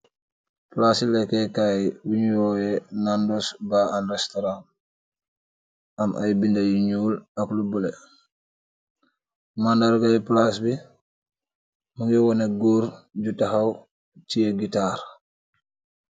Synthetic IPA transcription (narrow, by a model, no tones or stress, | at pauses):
plasilɛkːɛkajwuɲjɔːjɛnandɔsbaanrɛstɔɾan | amʔa̰jbindajiɲulaklubulɛ | mandaɾɡajɛplasbi | muŋɡiwɔneɡuːɾɟutaxaw | tijeɡitaːɾ